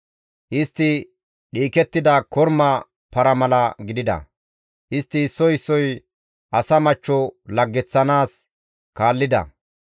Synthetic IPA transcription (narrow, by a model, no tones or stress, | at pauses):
ʔɪst̪ːɪ | ɗiːkɛt̪ːɪd̪ɐkɔɾmɐ | pɐɾɐmɐlɐɡɪd̪ɪd̪ɐ̰ | ʔɪst̪ːɪːsːɔjɪsːɔj | ʔɐsɐmɐt͡ʃːɔlɐɡːɛt͡sːɐnaːs | kaːlːɪd̪ɐ̰